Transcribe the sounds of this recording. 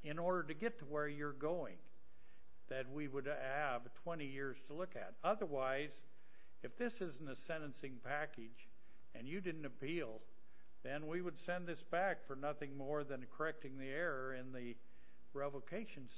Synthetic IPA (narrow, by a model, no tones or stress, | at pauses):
ɪ̃nɔɹɾə˞ɾɨɡɛtʰəwə˞jə˞ɡoʊɪ̰̃ŋ | ðɨt̚wiwəɾɨv̥tʰw̥ɛ̃ɾ̃ijɪɹz̥tʰəlʊkɨ̰ɾʌðə˞waɪz | ɨfðɪsɪzn̩tɨsɛ̃ñɨ̃nsɪ̃ŋpʰækɨd͡ʒ | ɨ̃njɨdɪdⁿn̩tɨpʰilˠ | ðɨ̃nwiwəd̥sɛ̃nðɪsb̥ækfə˞nʌθɪ̃ŋmɔɹðɨ̃nkʰə˞ɛk̚tɪ̃ŋðiɛɹə˞ɪ̃nðɨ | ɹɛvokʰeɪʃɨ̃n̩s